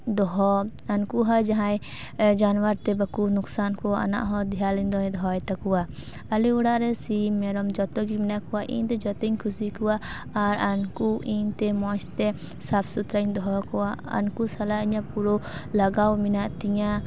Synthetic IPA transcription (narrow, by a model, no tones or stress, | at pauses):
d̪ɔɦɔ | ɐnkuɦad͡ʒaɦãj | d͡ʒanwaɾt̪ɛbɐkunʊksaːnkɔʔɐ̰na̰ʔɦɔ̃d̪ijalind̪ɔɛ̃d̪ɔjt̪akuwa | ɐliuɽaʔɾɛsimɛɾɔmd͡ʒɔt̪ɔkiminaʔkɔwaʔḭ̃nt̪ɛd͡ʒɔt̪ɔiɲkʰusikuwaː | ɾɐnkuʔĩnt̪ɛmɔʃt̪ɛ | sapʰsut̪ɾaind̪ɔɦɔkɔwaɐ̰nkusɐlaiɲãpuɾɔlɐɡawminaʔt̪iɲã